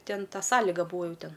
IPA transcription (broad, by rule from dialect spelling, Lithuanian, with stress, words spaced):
ˈtʲɛn ˈtɐ ˈsɑːlʲɪɡɐ ˈbuːɐ ˈjuː ˈtʲɛn